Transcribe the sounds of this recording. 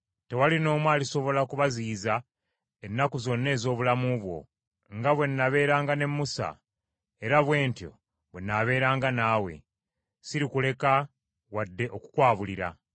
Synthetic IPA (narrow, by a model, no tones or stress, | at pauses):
te̞walino̞ːmwaːliso̞βo̞lakuβaziːza | e̞nːakuzo̞nːe̞ːzo̞ːβulamuβwo̞̰ | ŋɡaβwe̞nːaβe̞ːɾaːŋɡane̞mːusa̰ | eɾaβwe̞ːntjo̞̰ | βwenaβe̞ːɾaːŋɡanaːwe̞̰ | siɾikule̞ka | wadːe̞ʔo̞ku̥kwaːβuliɾa̰